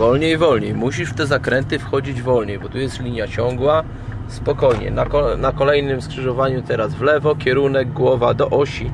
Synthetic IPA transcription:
vɔlɲejvɔlɲejmuɕiʂft̪ɛzakɾɛnt̪ɘfxɔd͡ʑid͡ʑvɔlɲejbɔt̪ujɛst̪lʲiɲjat͡ɕɔŋɡwa | spɔkɔjɲɛ̰nakɔnakɔlɛjnɘmskʂɘʐɔvaɲut̪ɛɾazvlɛvɔkʲjɛɾunɛɡ̚ɡwɔvad̪ɔʔɔɕi

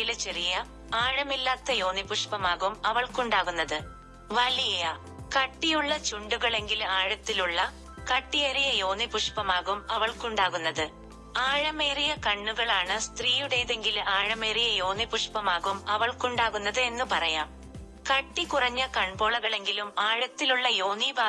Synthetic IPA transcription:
ilt͡ɕerijɐ | aːɻɐmilːaːt̪ːɐjo̞ːnipuʂpɐmaːɣumɐʋɐɭkuɳɖaːɣunːɐðɨ | ʋɐlijeja | kɐʈːijuɭːɐt͡ɕuɳɖuɣɐɭe̞ŋɡilaːɻɐt̪ːiluɭːɐ | kɐʈːijɐɾijɐjo̞ːnipuʂpɐmaːɣumɐʋɐɭkuɳɖaːɣunːɐðɨ | aːɻɐme̞ːrijɐkɐɳːuɣɐɭaːɳɨst̪riːjuɽejðe̞ŋɡilaːɻɐme̞ːrijɐjo̞ːnipuʂpɐmaːɣumɐʋɐɭkuɳɖaːɣunːɐðɨe̞nːupɐrɐjaːm | kɐʈːikurɐɲːɐkɐɳbo̞ːɭɐɣɐɭe̞ŋɡilumaːɻɐt̪ːiluɭːɐjo̞ːnibaː

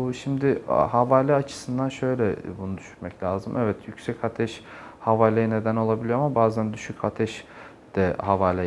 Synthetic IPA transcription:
uʃimd̪ɪhavaːlʲɛat͡ʃʰɯ̥sɯnd̪anʃø̞jlʲɛbunud̪yʃy̥ɾmɛclʲaːzɯmʔɛvɛt̪ʰjycsɛcat̪ʰɛʃhavaːlʲejine̞d̪æno̞lˠabilʲijoamabaːzænd̪yʃycʰat̪ʰɛʃ | d̪̥ɛhavaːlʲɛ

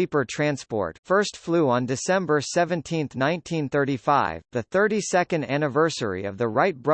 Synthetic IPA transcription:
ipə˞tʰɹ̥æ̃nspɔ̰ɹtfɜ˞stfluə̃ndɨsɛ̃mbə˞sɛvɨ̃ntʰĩnθnãɪ̃ntʰĩnθɜ˞ɾifaɪvðɨθɜ˞ɾisɛkɨ̃ndænɨvɜ˞sə̰˞ḭʌ̰vðəɹaɪt̚b̥ɹʌ

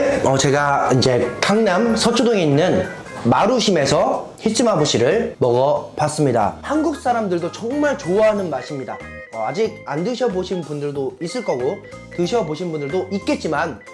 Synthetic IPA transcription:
ʌt͡ɕe̞ɡaind͡ʑe̞kaŋnamsʰʌt͡ɕʰodoŋeinːɯn | maɾuɕʰime̞sʰʌ | hit͡ɕʰimɦaboɕʰiɾɯɭmʌɡʌpas͈ɯmɲida̰hanɡuk̚s͈aɾamdɯɭdot͡ɕʌŋmaɭt͡ɕoaɦanɯnmaɕʰimɲida̰ | ʌad͡ʑiɡ̚andɯɕʰʌboɕʰinpundɯɭdois͈ɯɭk͈ʌɡo | tɯɕʰʌboɕʰinbundɯɭdoʔit̚k͈e̞t̚t͡ɕ͈iman

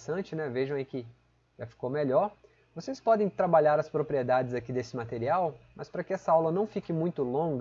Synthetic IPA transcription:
sɐ̃t͡ʃɪnɛveʒɐ̃w̃ɐikɪ | ʒ̥afi̥komeʎɔɾ | vosespɔd̪ẽj̃t̪ɾabaʎaɾɐspɾopɾied̪ad͡ʒɪzakid̪esɪmat̪eɾiawmɐspɾɐkɪɛsɐawlɐnɐ̃w̃fikɪmũj̃t̪ʊlõɡ

